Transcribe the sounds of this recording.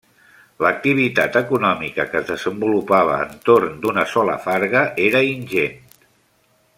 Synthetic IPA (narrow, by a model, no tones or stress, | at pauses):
lək̚t̪iβ̞it̪at̪əkunɔmikəkəzðəzəmbulupaβ̞ə̰ːnt̪oɾnd̪unəsɔlə̰faɾɣəʔeɾəinʲʒent̪